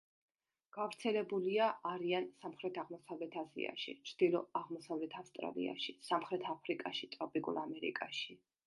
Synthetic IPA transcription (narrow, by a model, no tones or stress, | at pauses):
ɡ̥avɾt̪sʰɛlɛbuliaʔːɾiansamχɾɛt̪ʰaʁmɔsavlɛt̪ʰazḭa̰ʃḭt͡ʃʰɾd̪̥ilˠɔaʁmɔsavlɛt̪ʰafst̪ʼɾa̰lḭa̰ʃisamχɾɛt̪ʰapʰɾikʼaʃit̪ʼɾɔpʼikʼṵlˠamɛɾḭkʼaʃi